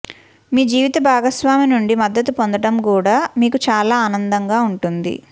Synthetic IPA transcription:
miːd͡ʒiːʋit̪ɐbʱaːɡɐsʋaːminuɳɖimɐd̪ːɐt̪upo̞nd̪ɐʈɐmkuːɽaːmiːkut͡ʃaːlaːaːnɐnd̪ɐŋɡaːuɳʈund̪ḭ

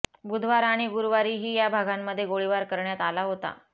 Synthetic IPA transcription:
bud̪ʱʋaɾaɽ̃iɡuɾuʋaɾiːɦiːjabʱaɡʱamːəd̪ʱːjeɡoɭiʋaɾkəɾɳjat̪alaɦot̪a̰

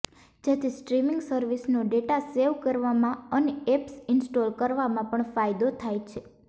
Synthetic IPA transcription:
d͡ʒet̪ʰisʈɾimɪŋɡsəɾʋisnoɖeʈaseʋkəɾʋamãəneɛpsɪnsʈolkəɾʋamãpəɳfajd̪ot̪ʰajt͡ʃʰe

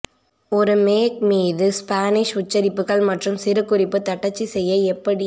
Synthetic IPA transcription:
ɔɾɯmeːk̚miːðɯspaːnɪʂʊt͡ʃːɐɾɪpːɯɣɐɭmɐʈrɯmsɪɾɯkːʊrɪpːɯt̪ɐʈːɐt͡ʃːisɛjːɐɛpːɐɽɪ

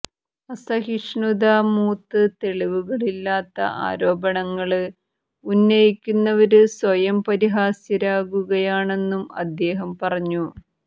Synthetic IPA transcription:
ɐsɐɦiʂɳud̪aːmuːt̪ːɨt̪e̞ɭiʋuɣɐɭilːaːt̪ːɐ̰ʔa̰ːɾo̞ːbɐɳɐŋːɐɭɨ | unːɐjikʲːunːɐʋɐɾɨswɐjɐmpɐɾiɦaːsjɐɾaːɣuɣɐjaːɳe̞nːumɐ̰d̪ːe̞ːɦɐmpɐrɐɲːu

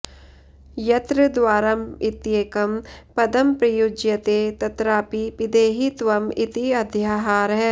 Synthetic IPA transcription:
jɐt̪ɾɨd̪ʋaːɾɐmɪt̪jeːkɐmpɐd̪ɐmpɾɐjud͡ʒjɐt̪eːt̪ɐt̪ɾaːpipɪd̪eːɦit̪ʋɐmɪt̪iɐd̪ʱjaːɦaːɾɦɛ

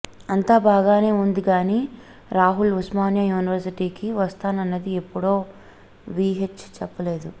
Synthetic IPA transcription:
ɐnt̪aːbaːɡaːne̞ːund̪iɡaːniː | ɾaːɦulusmaːnjajuːniʋɐɾsiʈiːkiʋɐst̪aːnɐnːɐd̪iepːuɽo̞ː | ʋiːɦet͡ʃːt͡ʃɛpːɐle̞ːd̪u

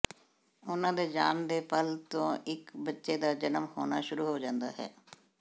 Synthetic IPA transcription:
ʊnãːd̪eːd͡ʒaːnd̪eːpəlt̪õːɪkbətːʃeːd̪aːd͡ʒənəmho̰ːnaːʃʊɾuːɦoːd͡ʒãːnd̪a̰ːɦɛ̰ː

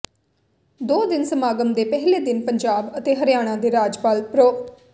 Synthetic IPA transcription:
d̪oːd̪ɪnsəmaːɡəmd̪eːpɛɦleːd̪ɪnpəɲd͡ʒaːbət̪eːɦəɾɪjaːɽ̃ãːd̪eːɾaːd͡ʒpaːlpɾoː

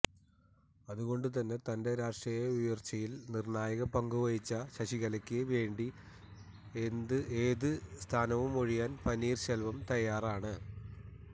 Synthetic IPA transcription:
ɐðuɣo̞ɳɖɨt̪ɐnːe̞t̪ɐnde̞ɾaːʂʈrijɐujɐrt͡ɕːɐjilnirɳaːjɐɣɐpɐŋɡuʋɐjit͡ɕːɐɕɐɕiɣɐlɐkʲːɨʋe̞ːɳɖi | end̪ɨeːðɨst̪ʰaːnɐʋumoɻijaːnpɐnːiːrɕelʋɐmt̪ɐjːaːraːɳɨ

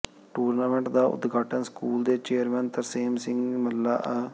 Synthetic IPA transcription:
ʈuːɾnaːmẽːɳʈd̪aːʊ̰d̪ɡaːʈənskuːld̪eːt͡ʃeːəɾmɛ̃ːnt̪əɾseːmsɪ̃ŋɡməlːaːʔɛ

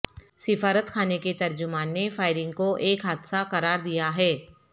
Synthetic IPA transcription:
sɪfaːɾət̪kʰaːneket̪ɐɾd͡ʒʊmaːnːefaːɪɾɪ̃ŋɡkoʔeːkɦaːd̪saqɐɾaːɾd̪ijaɦɛː

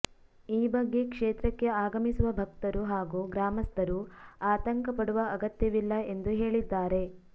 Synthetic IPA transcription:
iːbɐɡːe̞kʂeːt̪ɾɐkːe̞aːɡɐmisuʋɐbʱɐkt̪ɐɾuɦaːɡuɡɾaːmɐst̪ɐɾuaːt̪ɐŋkɐpɐɽuʋɐɐɡɐt̪jɐʋilːɐe̞nd̪uɦe̞ːɭid̪ːaːɾe̞

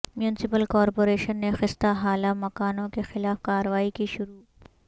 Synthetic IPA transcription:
mjuːnɪsɪpəlkɔːɾpoːɾeːʃənːexɪst̪aɦaːlamɐkaːnõkexɪlaːfkaːɾəʋaːikiʃʊɾuː

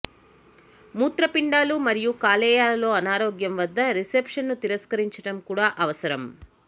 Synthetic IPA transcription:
muːt̪ɾɐpiɳɖaːlumɐɾijukaːlɛːjaːlɐlo̞ːɐnaːɾoːɡjɐmʋɐd̪ːɐɾisepʂɐnːut̪iɾɐskɐɾiɲt͡ʃɐʈɐmkuːɽaːʔɐʋɐsɐɾɐm

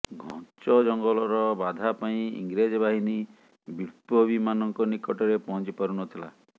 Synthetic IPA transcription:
ɡʱɔ̰̃nt͡ʃɔd͡ʒɔŋɡɔlɔɾɔbad̪ʱapaĩḭŋɡɾed͡ʒɔbaɦini | biɾpɔbimanɔŋkɔnikɔʈɔɾepɔɦɔnt͡ʃipaɾunɔt̪ʰila̰

